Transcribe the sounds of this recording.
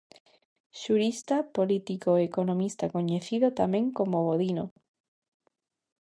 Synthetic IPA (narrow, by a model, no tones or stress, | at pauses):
ʃuɾist̪apolit̪ikoekonõmist̪akoɲeθiðot̪amẽŋkomoβoðino